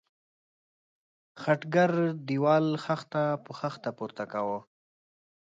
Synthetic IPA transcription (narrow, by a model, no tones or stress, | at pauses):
xaʈɡaɾd̪iwɑlxaxt̪apəxaxt̪apuɾt̪akawo